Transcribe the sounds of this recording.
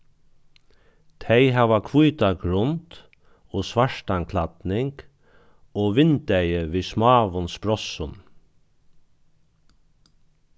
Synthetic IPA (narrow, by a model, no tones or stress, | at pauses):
t̪ʰɛɪɦaʋakʰvujt̪aɡɾʊnt̪ | oːsʋaʂt̪aŋkʰlat̪nɪŋk | oːʋɪnt̪æɪəʋiːsmɑːʋʊnspɾɔsʊn